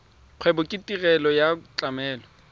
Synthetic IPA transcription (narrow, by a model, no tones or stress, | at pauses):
q͡χʰwɛbʊkʼɪtʼirɛlɔjat͡ɬʼamɛːlɔ